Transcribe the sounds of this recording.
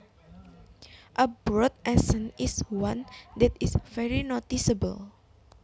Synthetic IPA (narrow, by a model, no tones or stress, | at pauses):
ʔəbɹɔt̪̚ɛsə̃nʔiswãnd̪ɛt̪isvɛɹinot̪isəbə̰l